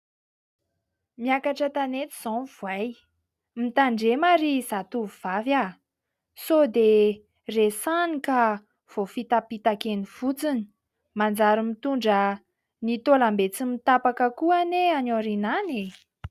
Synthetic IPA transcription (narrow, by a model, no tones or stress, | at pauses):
miakaʈ͡ʂət̪anet͡s̪i̥z̥õvwaj | mit̪aɳɖ͡ʐemaɾiz̥at̪uvuv̥avja | sod̪e | resanika | v̥ofit̪apit̪akeniv̥ut͡sini̥ | mand͡zaɾimit̪uɳɖ͡ʐə | nit̪olambet͡simit̪apakəkuaneanoɾinane